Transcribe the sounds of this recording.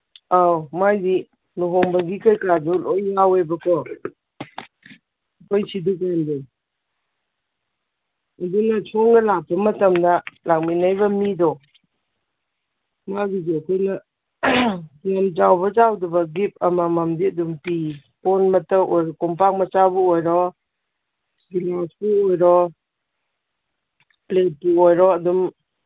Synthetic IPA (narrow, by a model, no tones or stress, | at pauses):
awmajdi | nuɦɔŋbɐɡikajkadulojːawebɐkʰɔ | kʰojsiduk̬ande | ɐdunɐt͡ʃʰɔŋɡɐlak̚bɐmɐtɐmdɐlak̚minajbɐmidɔ | maɡid͡ʒekʰojnɐ | namd͡ʒawbɐd͡ʒawdubɐɡip̚ɐmamɐmdiɐdumpi | pɔnmɐtəwojɾɔkɔmpak̚mɐt͡ʃabuojɾɔ | ɡilasbuojɾɔ | plet̚puojɾɔɐdum